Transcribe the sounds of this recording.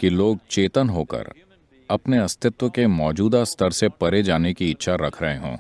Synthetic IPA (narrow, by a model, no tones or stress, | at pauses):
kiloːɡ̚t͡ʃeːt̪ənɦoːkə̰ɾ | ɐpneɐst̪ʰɪt̪wəkemɔːd͡ʒuːd̪ast̪ʰəɾsepɐɾed͡ʒaːnekiɪtːʃʰaɾɐkʰɾəɦeɦõ̰ː